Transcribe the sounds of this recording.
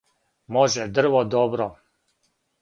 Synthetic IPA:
moʒɛd̪r̩ʋod̪obɾo

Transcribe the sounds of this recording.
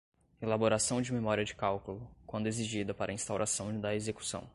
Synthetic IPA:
elaboɾasɐ̃w̃d͡ʒɪmemɔɾiɐd͡ʒɪkawkulʊkwɐ̃nd̪ʊeziʒid̪ɐpaɾɐĩst̪awɾʔasɐ̃w̃d̪ɐezeku̥sɐ̰̃w̃

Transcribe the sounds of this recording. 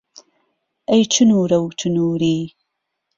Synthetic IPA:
ɐjt͡ʃʰɨnuːɾɐwt͡ʃʰɨnuːɾiː

